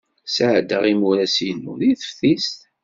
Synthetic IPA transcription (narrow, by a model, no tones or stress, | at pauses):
səʕd̪ːəʁimuɾæsijənːṵðiθə̥fθist̪